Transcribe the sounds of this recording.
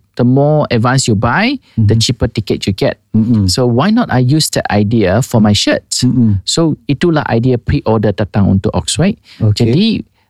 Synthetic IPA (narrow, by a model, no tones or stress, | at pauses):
d̥əmɔɛdvãnsjubajdət͡ʃipətikətjuɡɛ̰t̚sowajnɔtajjusdɛ̰ta̰jdiəfɔmajʃət̚ssoitːulaʔa̰jdiəpɹiʔɔdətatãŋɔ̰̃ntṵʔɔ̰ksɹaɪt̚d͡ʒədi